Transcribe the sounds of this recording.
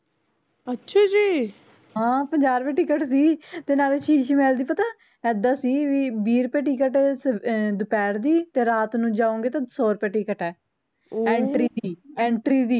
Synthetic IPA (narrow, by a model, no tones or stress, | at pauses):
ətːʃʰaːd͡ʒiː | ɦãːpəɲd͡ʒaːɾpɛ̃ːʈɪkəʈsiːt̪eːnaːleːt͡ʃʰiːʃmɛːld̪iːpət̪aː | ɛːd̪aːsiːʋiːbiːɾpɛ̃ːʈiːkəʈsd̪ʊpɛːɾd̪iːt̪eːɾaːt̪nũːd͡ʒaːõːŋɡeːt̪ãːsoːɾpɛ̃ːʈiːkəʈɛː | ɛ̃ːɳʈɾiːiːɛ̃ːɳʈɾiːd̪iː